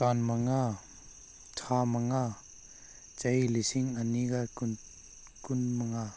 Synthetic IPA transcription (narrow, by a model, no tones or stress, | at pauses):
kanmaŋa | tʰamaŋa | t͡ʃɐjlisiŋaniɡak | kunmaŋa